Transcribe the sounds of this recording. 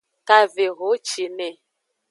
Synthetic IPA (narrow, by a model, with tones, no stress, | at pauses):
ka˨ve˨ɣo˨˦t͡ʃi˨ne˨